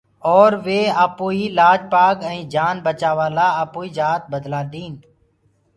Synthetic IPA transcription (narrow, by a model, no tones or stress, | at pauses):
ɔːɾʋeːaːpoːiːlaːd͡ʒpaːkɛ̃ĩːd͡ʒaːnbət͡ʃaːʋaːlaːaːpoːiːd͡ʒaːt̪̚bəd̪laːɗ̪iːn